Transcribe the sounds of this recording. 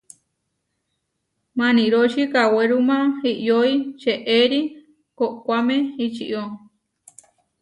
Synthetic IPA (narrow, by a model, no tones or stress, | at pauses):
mãnĩɾot͡ʃikaweɾumãiʔjoit͡ʃeʔeɾi | koʔkʷamẽit͡ʃḭʔo